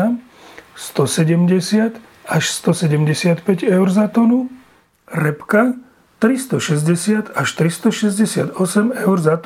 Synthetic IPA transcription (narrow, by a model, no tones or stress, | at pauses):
a | st̪ɔsɛɟɛmɟɛsɪat̪ | aʃst̪ɔsɛɟɛmɟɛsɪat̪pɛɟɛʊɾzat̪ɔnu | ɾɛpka | t̪ɾist̪ɔʃɛzɟɛsɪat̪aʃt̪ɾist̪ɔʃɛzɟɛsɪa̰d̪ɔsɛmɛʊɾzat̪